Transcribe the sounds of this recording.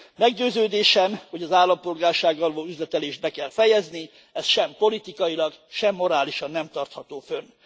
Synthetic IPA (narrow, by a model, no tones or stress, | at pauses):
mɛɡɟøːzøːd̪eːʃɛmho̞ɟɒzaːlːɒmpo̞lɡaːrʃaːɡɒloːyzlɛt̪ɛleːʃt̪bɛkɛlfɛjɛzni | ɛst̪ʃɛmpo̞lit̪ikɒjilɒɡʃɛmːo̞ɾaːliʃɒnːɛmt̪ɒrt̪hɒt̪oːfø̞n